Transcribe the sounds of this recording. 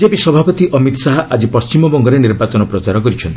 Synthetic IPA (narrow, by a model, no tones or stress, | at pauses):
d͡ʒepisɔbʱapɔt̪iʔɔmit̪ɔ̥saɦaʔad͡ʒipɔst͡ʃimɔbɔŋɡɔɾeniɾbat͡ʃɔnɔpɾɔt͡ʃaɾɔkɔɾit͡ʃʰɔnt̪i